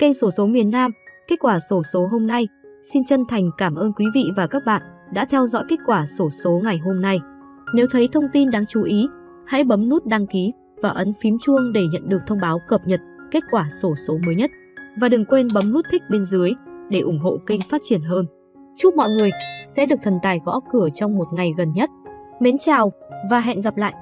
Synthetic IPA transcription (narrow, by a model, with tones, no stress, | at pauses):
ki˧ŋ̟so˧˩so˨˦mi˨˩ənːaː˧mke˦˥t̚kwaː˧˩so˨˧˦so˨˦ɦo˧mna˧jsi˧nt͡ɕə˧nt̪ʰa˨˩jŋ̟kaː˧˩mʔəː˧nkwi˨˦vḭ˧˨vaː˨˩kaː˦˥k̚ɓa̰ː˧˨nɗa̰ː˧˥t̪ʰɛ˧wzɔ̰˧˥jke˦˥t̚kwaː˧˩so˧˩so˨˦ŋa˨˩jɦo˧mna˧j | ne˨˦wt̪ʰə˨˦jt̪ʰə˧wŋ͡mt̪i˧nɗaː˧ŋt͡ɕu˨˦ʔi˨˦ | ha̰˧˥jɓə˨˦mnu˦˥t̚ɗa˧ŋki˨˦ | vaː˨˩ʔə˨˦nfi˨˦mt͡ɕɨ˧əŋɗe˧˩ɲə̰˧˨nɗɨ˨˩ək̚t̪ʰə˧wŋ͡mɓaː˨˦wkə˨˩p̚ɲə˨˩t̚ke˦˥t̚kwaː˧˩so˧˩so˨˦məː˨˦jɲə˦˥t̚ | vaː˨˩ɗɨ˨˩ŋkwe˧nɓə˨˦mnu˦˥t̚t̪ʰï˦˥k̚ɓe˧nzɨ˨˦əjɗe˧˩ʔʊ˧˩ŋ͡mɦo̰˧˨kï˧ŋ̟faː˦˥t̚t͡ɕi˧˩ənɦəː˧n | t͡ɕu˦˥k͡p̚mɔ̰˧˨jŋɨ˨˩əjsɛ̰˧˥ɗɨ˨˩ək̚t̪ʰə˨˩nt̪aː˨˩jɣɔ̰˧˥kɨ˧˩ət͡ɕɔ˧wŋ͡mmo˨˩t̚ŋa˨˩jɣə˨˩nɲə˦˥t̚me˨˦nt͡ɕaː˨˩wvaː˨˩ɦɛ̰˧˨nɣa˨˩p̚la̰ː˧˨jʔ